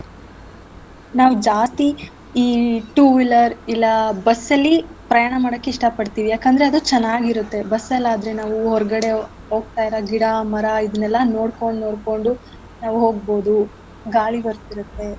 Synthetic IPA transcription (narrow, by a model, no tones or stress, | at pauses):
naːʋud͡ʒaːt̪i | iːʈuːʋilɐɾilːɐbɐsːɐlːipɾɐjaːɳɐmaːɽɐkːeiʂʈɐpɐɖt̪iːʋijaːkɐnd̪ɐɾeɐd̪ut͡ʃɛnːaːɡiɾut̪ːe̞bɐsːɛlːaːd̪ɾe̞naːʋuɦɔɾɡɐɽe̞ | ɦo̞ːɡ̚t̪aːjiɾɐɡiɽɐmɐɾɐid̪ɐnɛlːɐno̞ːɽkoɳɖnoːɽko̞ɳɖu | naːʋuɦo̞ːɡ̚bo̞ːd̪u | ɡaːɭibɐɾt̪iɾut̪ːe̞